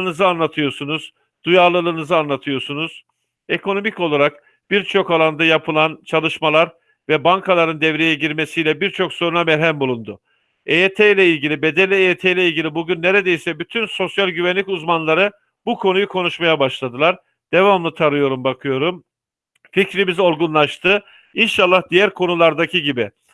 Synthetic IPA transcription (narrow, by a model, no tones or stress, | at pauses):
nɯzɯanlˠat̪ʰɯjo̞ɾsunuz̥ | d̪̥ujalˠɯlˠɯːnɯzɯanlˠat̪ʰɯjo̞ɾsunuz̥ | e̞kʰo̞no̞mico̞lˠaɾak̚ | b̥iɾt͡ʃʰo̞kalˠand̪ajapʰɯlˠant͡ʃʰalˠɯʃmalˠaɾ | vɛbaŋkʰalˠaɾɯnd̪ɛvɾe̞jɛɟiɾme̞sijlʲɛbiɾt͡ʃʰo̞kso̞ɾunamɛɾɦæmbulˠund̪ʊ | eet̪ʰejlʲɛilʲɟilʲibe̞d̪elʲiet̪ʰejlʲɛilʲɟʲilʲibuɟynːe̞ɾed̪ejisɛbyt̪ʰynso̞sjalʲɟyvænlʲicuzmanlˠaɾɯ | bukʰo̞nujukʰo̞nuʃmajabaʃlˠad̪ɯlˠaɾ | d̪̥e̞vamlˠɯt̪ʰaɾɯjo̞ɾumbakʰɯjo̞ɾum | ficɾimizo̞ɾɡunlˠaʃt̪ʰɯ | inʃalˠːahd̪ijæɾkʰo̞nulˠaɾd̪acʰiɟibɪ